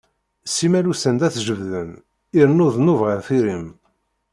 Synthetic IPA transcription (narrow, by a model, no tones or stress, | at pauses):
simælusənd̪æθʒəvðən | iɾnʊðnuvʁəɾθiɾim